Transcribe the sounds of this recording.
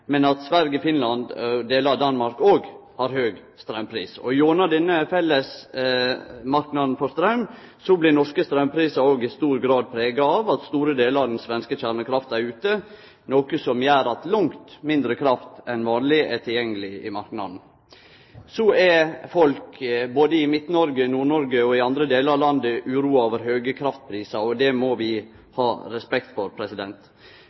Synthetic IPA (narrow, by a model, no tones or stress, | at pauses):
mɛnɑt̪sʋæɾɡəfɪnlɑnd̪d̪eːləɾɑʋd̪ɑnmɑɾkoːɡhɑɾhøːɡst̪ɾɑʉmpʰɾḭːsɔ̰joːnɑd̪ɛnːəfɛlːəs | mɑɾknɑd̪n̩fɔst̪ɾɑʉm | sɔblɪnɔʂkəst̪ɾɑʉmpʰɾiːsɑɾoːɡɪst̪uːɾɡɾɑːd̪̚pʰɾeːɡɑɑʋɑt̪st̪uːɾəd̪eːləɾɑʋd̪ɛnsʋɛnskəçæɾməkʰɾɑft̪æɾʉːt̪ə | noːkəsɔmjæːɾɑt̪lʊŋt̪mɪnd̪ɾəkʰɾɑft̪ɛnʋɑːnlɪɛt̪ʰɪljɛŋːəlɪɪ̰mɑɾknɑ̰d̪n̩ | sɔɛfɔlkboːd̪əɪmɪt̪nɔɾɡənuːɳɔɾɡəɔɪɑnd̪ɾəd̪eːləɾɑlɑnd̪əʔʉːɾuːɑoːʋəɾɦøːɡəkʰɾɑft̪̚pʰɾiːsɑɔd̪ɛmɔʋɪ | hɑːɾɛspɛkt̪fɔɾpʰɾɛsɪd̪ɛnt̪